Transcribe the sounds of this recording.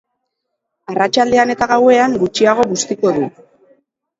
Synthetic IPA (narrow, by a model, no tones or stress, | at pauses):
arat͡ʃald̪e̞ane̞t̪aɣawe̞aŋɡut͡ʃiaɣ̞o̞βust̪iko̞ðu